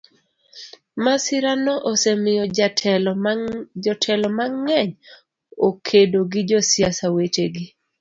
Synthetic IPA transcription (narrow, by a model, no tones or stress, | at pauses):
masɪɾanɔʔosemɪjɔatʰɛlɔd͡ʒɔtʰɛlɔmaŋːɛɲ | okʰedoɡɪd͡ʒɔsɪjasawet͡ʃeɡɪ